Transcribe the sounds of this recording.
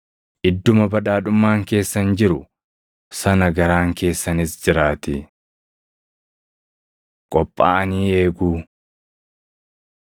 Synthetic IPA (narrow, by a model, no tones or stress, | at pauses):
ʔɪd̪ːʊmɐbɐᶑaːᶑʊmːaːŋke̞ːsːɐnd͡ʒɪɾʊ | sɐnɐɡɐɾaːŋke̞ːsːɐnɪsd͡ʒɪɾaːt̪ɪ | kʼɔpʼːa̰ːɐniːe̞ːɡuː